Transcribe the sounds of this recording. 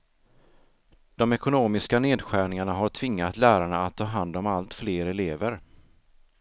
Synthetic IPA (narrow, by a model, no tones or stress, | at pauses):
d̪̥ɔmɛkʊnoːmɪskaneːd̪ɧæːɳɪŋaɳaɦaʈʰv̥ɪŋːat̪læːɾaɳaːt̪ʰːɑːɦand̪ɔmalt̪fleːɾɛleːvəɾ